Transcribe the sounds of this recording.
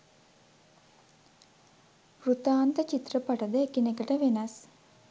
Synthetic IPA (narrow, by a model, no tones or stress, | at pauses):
prut̪aːnt̪ət͡ʃit̪rəpaʈəd̪əekinekəʈəʋenɐs